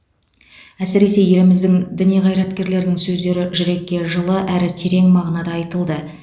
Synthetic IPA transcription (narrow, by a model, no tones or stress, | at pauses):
æsɪɾe̞se̞je̞lɪmɪzd̪ɪŋd̪ɪnijʁɑjɾɑt̪kʲe̞ɾle̞ɾd̪ɪŋsɵzd̪e̞ɾɪʒʏɾe̞kʲːe̞ʒəlˠəʔæɾɪt̪ʰeɾe̞ŋmɑʁnɑd̪ɑːjt̪əlˠd̪ə